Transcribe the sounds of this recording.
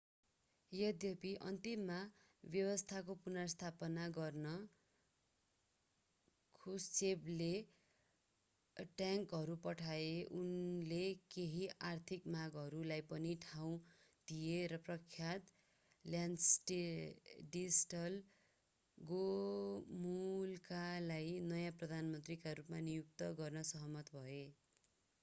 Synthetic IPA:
jʌd̪jʌpiʔʌ̰nt̪imːa | bjʌwʌst̪ʰakopunʌst̪ʰapʌnaɡʌrnʌ | kʰust͡seble | ʈjaŋkɦʌɾupʌʈʰaeʔunlekeɦiʔart̪ʰikmaɡɦʌɾulajpʌniʈʰaw̃d̪ijeɾʌprʌkʰjat̪ | ljansʈeɖisʈʌl | ɡo | mulkalajnʌjãprʌd̪ʱanmʌnt̪rikaɾupmanijuk̚t̪ʌɡʌrnʌsʌɦʌmʌt̪bʱʌe

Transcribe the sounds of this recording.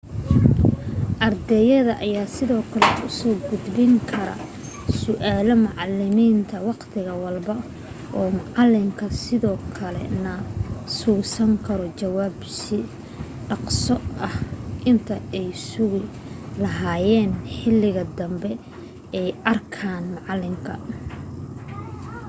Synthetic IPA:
ʔɐrd̪ɛjɐðɐʔɐjaːsɪðɔːkʰɐlɛʊsɔːɡʊd̪bɪŋkʰɐɾɐ̰ | sʊʔaːlɔmɑʕɑlɪmiːnt̪ʰɐwɑqt̪ʰɪɣɐwɑlbɐ | ɔːmʊʕɑlːɪmkʰɐsɪðɔːkʰɐlɛ̰nɐsuːsɐŋkʰɐɾɔt͡ʃɐwaːbsɪ | ɖɑqsɔɐhʔɪnt̪ʰɐɛjsʊɣɪ | lɐɦaːjɛːnħɪlːɪɣɐd̪ɐmbɛ | ɛjɐrkʰaːnmɑʕɑlːɪmkʰɐ̰

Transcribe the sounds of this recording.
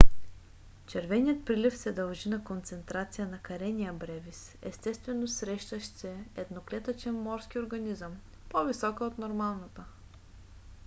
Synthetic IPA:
t͡ʃɛɾvɛnijət̪̚pɾilifsɛd̪ɐlˠʒinɐkont̪sɛnt̪ɾat̪sijənɐkɐɾɛnijəbɾɛvis | ɛ̰st̪ɛst̪vɛnosɾɛʃt̪əʃsɛɛd̪noklɛt̪ət͡ʃɛnmɔɾsk̟ioɾɡɐnizəm | povisɔkəot̪noɾmalˠnɐt̪ə

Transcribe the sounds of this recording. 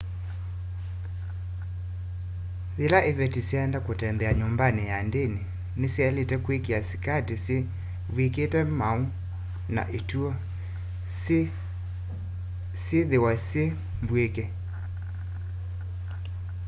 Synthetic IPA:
ðelaʔeβɛtisjeɛndakotɛmbɛaɲombanejandene | neseɛletɛkwekeasi̥katese | βweketɛmau | na̰ʔetuɔ | sjeðewasje | mbwekɛ

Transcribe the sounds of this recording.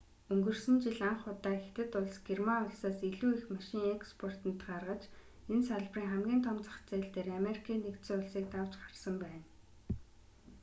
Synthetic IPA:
ɵŋɡɵ̆rsɘ̆nt͡ɕiɮaɴχʊt̪aːxe̥t̪ɘ̆t̪ʊɮsɡermaʊɮsaːsiɮuːixmaʃɪ̆ŋekspʰɔr̥t̪ə̆nt̪ɢarʁə̆t͡ɕ | ensaɮpriːŋχæmɡʲiːnt̪ʰɔmt͡sə̥̆χt͡sæːɮt̪eːrameɾikʰiːnekt̪sɘːʊɮsiːk̚t̪aw̥t͡ɕɢḁr̥sə̆mpæːn

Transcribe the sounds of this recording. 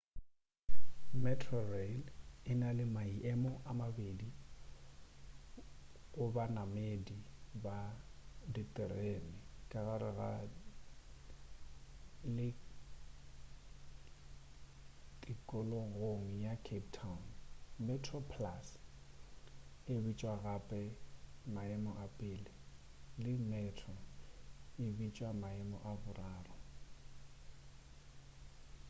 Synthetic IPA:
mɛtʰrɔrelɪnalɪmaiʔɛmɔʔamabedi | ɣʊbanamedibaditʼɪrenɪkʼaɣaɾɪɣa̰ | lɪ | tʼikʼɔlɔɣoŋ̩jakʰeptʰanmɛtʰrɔpʰlas | ɪbit͡ʃʼwaɣapʼɛmaɛmɔʔapʼɪːlɪlɪmɛtʰɔ | ɪbit͡ʃʼwamaɛmɔ̰ʔabʊraːrɔ

